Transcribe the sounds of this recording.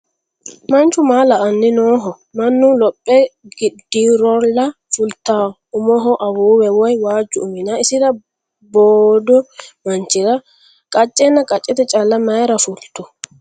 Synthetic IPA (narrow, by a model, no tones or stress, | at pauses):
mɐnt͡ʃːʊmaːlɐʔɐnːɪnoːɦɔ | mɐnːʊlɔpʼːɛɡɪd̪iːɾɔlːɐ | fʊlt̪aː | ʊmɔɦɔʔɐbuːwɛwɔjwaːd͡ʒːʊʊmɪnaɪsɪɾɐ | boːd̪ɔmɐnt͡ʃːɪɾɐ | kʼɐt͡ʃʼːɛnːɐkʼɐt͡ʃʼːɪt̪ɛt͡ʃʼɐlːɐmɐjɛɾɐfʊlt̪ːʊ